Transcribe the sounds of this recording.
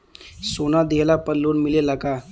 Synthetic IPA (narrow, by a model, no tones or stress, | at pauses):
sonad̪elapəɾlonmilelaka